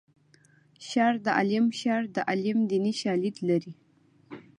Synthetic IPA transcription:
ʃɑɾd̪əʔa̰limʃɑɾd̪əʔalimd̪iniʃɑlid̪laɾi

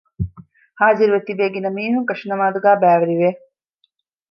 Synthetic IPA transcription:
haːziɾuʋet̪ːibeːɡinːəmiːɦuŋkɐʂinɐmaːd̪uɡæːbæːʋɐɾiʋe

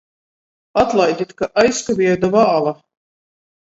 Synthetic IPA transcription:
at̪lˠajd̪ʲit̪kaʔajskabʲiɛd̪avaːlˠa

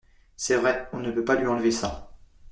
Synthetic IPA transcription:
sɛvʁɛɔ̃nəpøpalɥiɑ̃lvesa

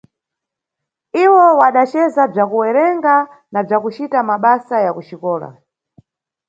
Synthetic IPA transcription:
iwɔwaɗat͡ʃɛzab͡ʐakuwɛɾɛŋɡa | nab͡ʐakut͡ʃitamaɓasajakut͡ʃikɔːla̰

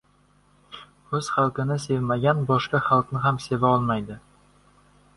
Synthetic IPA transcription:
ɵz̥χalˠkɪnɪse̞vmaɡʲanbɒʃkaχalˠknɪɦamse̞vaɒlˠmajd̪ɪ

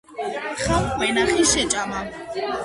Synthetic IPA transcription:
χamkʼwɛnaχiʃɛt͡ʃʼama

